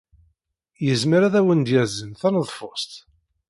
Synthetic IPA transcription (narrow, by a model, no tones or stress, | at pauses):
jəzməɾæðæwənd̪jæzəmθænəðˤfʊsˤt̪